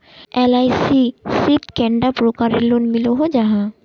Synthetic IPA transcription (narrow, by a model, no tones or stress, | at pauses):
ɛlaːisisɪp̪kɛ̃ɳɖapɾokaɾilonmɪloɦod͡ʒaɦã